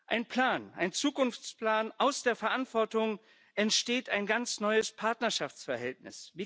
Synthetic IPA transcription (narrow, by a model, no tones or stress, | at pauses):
ʔaɪnpʰl̥aːna̰ɪnt͡suːkʊnft͡spl̥aːnʔaʊsd̥eːɐfɛɐʔantv̥ɔɐtʊŋ | ʔɛntʃteːtʰaɪnɡant͡snɔʏəspʰaɐtnɐʃaft͡sfɛɐɦɛltnɪ̰sviː